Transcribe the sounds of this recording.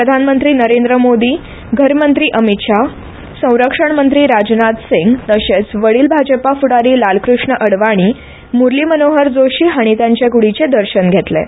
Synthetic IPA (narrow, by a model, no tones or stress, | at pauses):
pɾəd̪ʱanmənt̪ɾiːnəɾend̪ɾəmod̪iː | ɡʱəɾmənt̪ɾiːʔəmit̪ʂa | sə̃w̃ɾəkʂəɳmənt̪ɾiːɾad͡ʑnat̪siŋɡt̪əɕet͡sʋəɭiːlbʱad͡ʑəpafuɽaɾiːlalkɾuʂɳəʔəɽʋaɽ̃iː | muɾlimənoɦəɾd͡zoɕiːɦaɽ̃it̪jãɲt͡ɕjakuɽit͡sed̪əɾɕənɡʱet̪lḛ